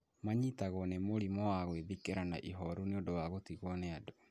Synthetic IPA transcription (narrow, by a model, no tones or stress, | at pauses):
maɲitaɣɔnemoɾimɔwaɣweðikeɾana̰ʔiɦɔɾuneodowaɣotiɣwɔnɛado